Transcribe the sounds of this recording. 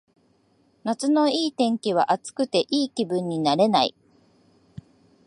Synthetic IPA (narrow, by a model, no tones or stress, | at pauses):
nat͡sɨno̞iːt̪ẽ̞ŋkʲiβ̞a̰ʔat͡sɨ̥kɯ̟t̪e̞ʔiːkʲibɯ̟̃ɲ̟ːinaɾe̞naḭ